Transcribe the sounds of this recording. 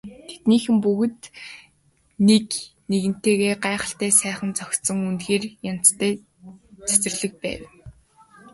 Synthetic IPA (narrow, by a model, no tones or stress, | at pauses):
t̪ʰe̥t̪niːxɘ̆mpuɣɘ̆t̪ | nekneɣɘ̆n̥t̪eːɣeːɢaːχə̆ɬt̪æːsæːχə̆nt͡sɔkʲt̪sɞ̆ŋunt̪xeːrjan̥t͡st̪ʰæː | t͡sʰæ̥t͡sɘ̆rɮɘ̆k̚pæ̰ːw